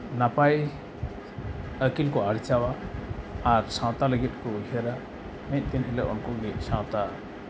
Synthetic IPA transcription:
napaj | əkilkɔaɾt͡ʃawaː | ɾsãw̃t̪aləɡit̪̚ˀkɔuɦəɾa | mɛɲt̪̚ˀt̪inhɛlɛʔɔ̰nkɔɡit̪̚sãw̃t̪a

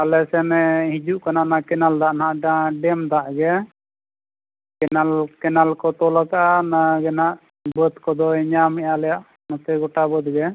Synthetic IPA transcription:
alɛsɛmɛhid͡ʒuʔkananakɛnald̪aʔnaʔɖãɖɛmd̪aʔɡɛ | kɛnalkɛnalkɔt̪ɔlakaʔanaɡɛnaʔ | bət̪kɔd̪ɔɛɲamɛjalɛjaʔ | mɔt̪ɛɡɔʈabəd̪ɡɛ

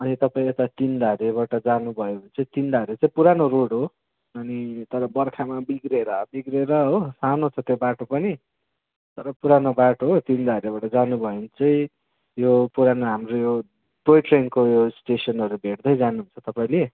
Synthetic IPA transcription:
ʌnit̪ʌpaĩet̪at̪ind̪aɾeβaʈʌd͡zanubʱʌjoɦunt͡sʌĩt̪ind̪aɾet͡sʌ̃ĩpuɾanoɾoɽɦo | ʌnit̪ʌɾʌbʌrkʰamabiɡɾeɾʌbiɡreɾʌɦosanot͡sʰʌt̪jobaʈopʌni | t̪ʌɾʌpuɾanobaʈoɦot̪ind̪aɾebaʈʌd͡zanubʱʌjont͡sʌĩ | jopuɾanoɦamrojo | ʈojʈrenkojosʈesʌnɦʌɾubʱeʈd̪ʌjd͡zanuɦũnt͡sʰʌt̪ʌpaĩle

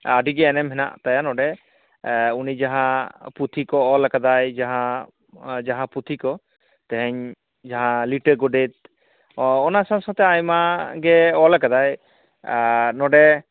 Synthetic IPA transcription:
aɖiɡɛːnɛmɦɛna̰ʔt̪ajanɔɖɛ | unid͡ʒaɦãput̪ʰikɔːlakad̪ajd͡ʒaɦã | d͡ʒaɦãput̪ʰikɔ | t̪ɛɦɛɲ | d͡ʒaɦãliʈəɡɔɖet̪̚ | ɔnasãsɔ̃t̪ɛajmaɡɛɔlakad̪aj | nɔɖɛ

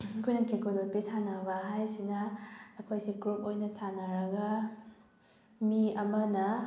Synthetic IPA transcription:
kʰujnɐŋkikolot̚pisanɐbɐɦajsinɐɐkʰojsiɡɾup̚ojnɐsanɐɾɐɡɐ | miɐmɐnɐ

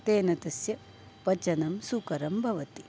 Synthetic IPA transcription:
t̪eːnɐt̪ɐsjɐ | pɐt͡ʃɐnɐmsukɐɾɐmbʱɐʋɐt̪i

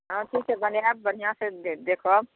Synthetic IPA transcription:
ɦãʈʰiːk̚t͡ʃʰebənjab̚bənijãsẽd̪ekʰo

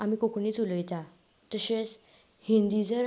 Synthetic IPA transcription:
amikokniːt͡suləjt̪a | t̪əɕet͡s | hĩnd̪id͡zəɾ

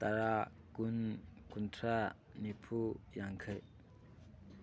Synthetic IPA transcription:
t̪aɾa | kunkuntʰɾa | nipʰujaŋkʰəj

